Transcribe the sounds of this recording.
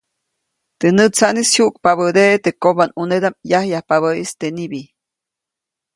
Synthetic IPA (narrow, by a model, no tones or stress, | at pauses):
t̪enɨt͡sanishuʔk̚paβəd̪eʔt̪ekobanuned̪amjahjahpaβəist̪enibi